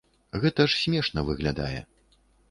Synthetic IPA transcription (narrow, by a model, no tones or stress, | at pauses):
ɣɛt̪ɐʂsʲmʲɛʂnɐvɨɣlʲad̪a̰jɛ̰